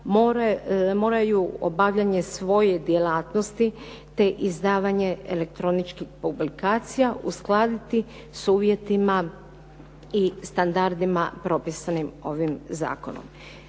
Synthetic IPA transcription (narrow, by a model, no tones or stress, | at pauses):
moɾmo̞ːɾajuo̰baʋʎaɲe̞sʋo̞jed̪je̞laːt̪nost̪i | t̪e̞ʔizd̪aːʋaɲe̞ele̞kt̪ɾo̞nit͡ʃkixpublikaːt̪sijaʔusklˠaːd̪it̪i | suːʋje̞t̪ima | ist̪and̪aɾd̪imapɾo̞pisanimo̞ʋimza̰ːko̞̰no̰m